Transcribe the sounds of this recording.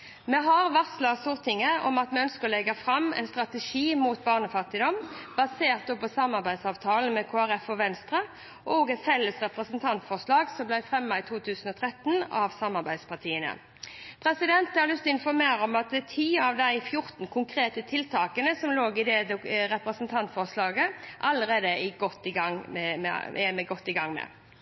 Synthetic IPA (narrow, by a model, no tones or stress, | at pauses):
mɛɦɑʁʋɑʁslɑst̪uʁt̪ʰɪŋəɔ̰mɑt̪mɛœnskəʁɔlɛɡɑfʁɑmɛ̰ɪnst̪ʁɑt̪əʃiːmuːt̪bɑːʁnəfɑt̪ːɪd̪ɔmbɑseːʁt̪ɔpɔsɑmːɑʁbæɪsɑːʋt̪ʰɑːln̩mɛkʰoːæʁɛfɔʋɛnst̪ɾə | ʔoːɡɛt̪fɛlːəsʁɛpʁəsənt̪ʰɑnt̪fɔʁʂlɑːɡsɔmblæɪfʁɛmːɑɪt̪ʰuːt̪ʰʉːsn̩ɔt̪ʰʁɛt̪ːnɑʋsɑmɑɾbæɪd̪spɑt̪ʰiːənə̰ | pʰɾɛsɪd̪ɛnt̪ɑɾljʏst̪ɔɪnfɔɾmeːɾəɔmɑt̪̚d̪ɛt̪ʰiːɑʋd̪æɪfjʊɾt̪n̩kʰʊŋkʰɾeːt̪ət̪ʰɪlt̪ʰɑːkənəsɔmloːɡɪd̪ɛd̪ɛɾɛpɾəsn̩t̪ʰɑnt̪fɔʁslɑːɡəʔɑlːəɾeːd̪əɪɡɔt̪ːɪɡɑŋmɛmɛ̰ɛmɛɡɔt̪ːɪɡɑŋːmɛ̰